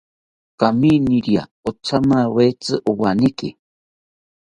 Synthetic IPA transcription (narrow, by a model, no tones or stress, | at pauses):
kaminiɾia̰ot͡sʰamawet͡sɨʔuwanikḭ